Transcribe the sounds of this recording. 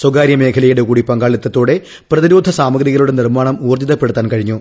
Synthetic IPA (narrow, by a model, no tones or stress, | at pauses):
swɐɡaːɾjɐme̞ːkʰɐlɐjuɽe̞kuːɽipɐŋɡaːɭɐt̪ːɐt̪ːo̞ːɽe̞ | prɐðiɾoːd̪ʱɐsaːmɐɡɾiɣɐɭuɽe̞nirmaːɳɐmuːrd̪iðɐpːe̞ɽut̪ːaːnkɐɻiɲːu